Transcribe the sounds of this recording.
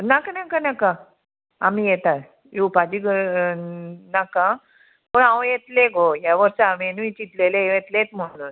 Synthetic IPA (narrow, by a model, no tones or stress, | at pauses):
nakanakanaka | amijɛt̪at | jupad͡ʑiɡ | nakã | pəɳawjet̪leɡojaʋəɾsaamenĩt͡ɕit̪lelejet̪let̪m̤əɽun